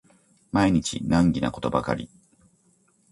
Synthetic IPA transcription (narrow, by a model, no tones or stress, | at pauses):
maiɲ̟it͡ɕḭnãŋɡʲina̰ko̞t̪o̞baka̰ɾʲi